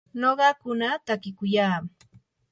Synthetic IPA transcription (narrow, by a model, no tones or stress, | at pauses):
noɢɑkʊnat̪akɪkʊjaː